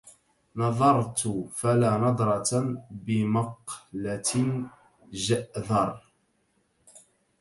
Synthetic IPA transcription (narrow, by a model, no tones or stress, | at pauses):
nɑðˤɑɾˤt̪ʊfalaːnɑd̪ˤɾˤɑt̪bɪmɑqlat̪ | ʒaʔðɑɾˤ